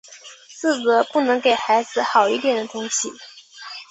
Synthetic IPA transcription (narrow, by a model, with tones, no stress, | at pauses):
t͡sɹ̩˥˩t͡sɤ˧˥pu˥˩nɤ˧˥ŋke˨˩ɪxa˧˥ɪd͡zɹ̩˧xɑ˨˩ʊi˥˩t̪jɛ˨˩nd̪ə˦t̪ʊ˥ŋɕi˨